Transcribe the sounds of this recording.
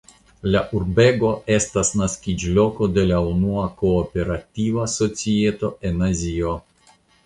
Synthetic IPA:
laʔuɾbe̞ɡo̞e̞stasnaskid͡ʒlo̞ko̞de̞launuako̞ːpe̞ɾativaso̞t͡sie̞to̞e̞nazio̞

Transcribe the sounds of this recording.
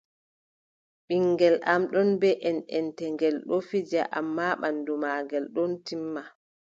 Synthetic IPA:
ɓiŋɡɛlʔamɗɔnbɛʔɛnɛntɛŋɡɛlɗɔfid͡ʒa̰ʔa̰mːaɓandumaːɡɛlɗɔntimːa

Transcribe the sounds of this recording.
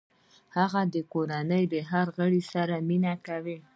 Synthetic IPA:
haɣad̪əkoɾanəjd̪əɦaɾɣəɽisaɾaminakawi

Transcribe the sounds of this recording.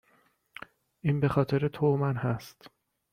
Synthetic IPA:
ʔiːnbe̞xɒːt̪ʰe̞ɾet̪ʰomænhæst̪

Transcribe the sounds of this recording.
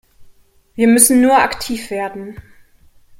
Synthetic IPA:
viːɐmʏsn̩ːuːɐʔaktʰiːfv̥eːɐdn̩

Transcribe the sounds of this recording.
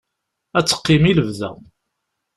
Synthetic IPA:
æt͡sːə̥qːɪmiləvðæ̰

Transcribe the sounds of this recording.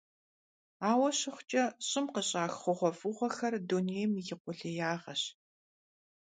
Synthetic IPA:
aːwɐɕɪχʷt͡ʃʼɐɕʼɪmqəɕʼaːxχʷʊʁʷɔfʼuʁʷɔxɐrduneːjmijɪqʷʊɮejaːʁɐɕ

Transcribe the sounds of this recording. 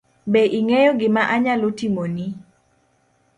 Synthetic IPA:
beʔiŋejoɡɪmaʔaɲalotimoni

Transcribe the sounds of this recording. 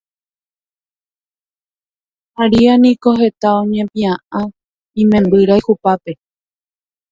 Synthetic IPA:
aɾianĩkoɦe̞t̪aõɲẽpĩãʔã | ĩmẽmbɨɾaihupape

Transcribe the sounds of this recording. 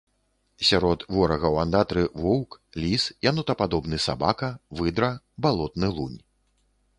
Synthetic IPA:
sʲaɾɔt̪vɔɾɐɣɐwand̪at̪ɾɨvɔwklʲisjanut̪ɐpad̪ɔbnɨsa̰bakɐvɨd̪ɾɐ | balˠɔt̪nɨlˠunʲ

